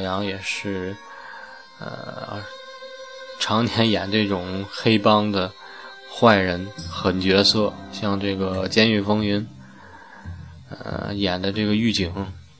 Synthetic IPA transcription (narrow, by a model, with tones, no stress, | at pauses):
jɑ˧˥ŋjɛ˨˩ʂɻ̩˥˩ | ə̰˧ | ʈ͡ʂʰɑ˧˥ŋt̪ʰjɛ˧˥njɛ˨˩nʈ͡ʂɤ˥˩ʈ͡ʂʊ˨˩ŋxe˥ɪpɑ˥ŋd̪ə˨ | xwa˥˩ɪɻə˧˥nxə˨˩nt͡ɕɥɛ˧˥sɤ˥˩ɕjɑ˥˧ŋʈ͡ʂɤ˥˩ɡə˩t͡ɕjɛ˥ny˥˩fɤ˥ŋy˧˥n˧ | jɛ˨˩nd̪ə˦ʈ͡ʂɤ˥˩ɡə˩y˥˩t͡ɕi˨˩˦ŋ